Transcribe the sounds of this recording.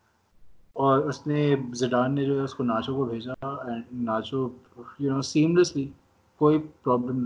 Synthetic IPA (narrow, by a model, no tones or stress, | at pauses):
ɔːɾʊsnezɪɖãːnmed͡ʒoːɦɛʊskonaːt͡ʃõkobʱeːd͡ʒaɛ̃ɳːaːt͡ʃo | jʊnoːsĩːmləsli | koːipɾɔːblə̃mn